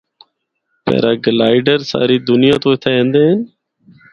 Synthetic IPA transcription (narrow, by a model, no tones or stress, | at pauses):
pɛ̰ːɾaːɡəlaːɪɖəɾsa̰ːɾiːd̪ʊnɪjaːt̪oːɪt̪ʰaːẽːnd̪eːɦən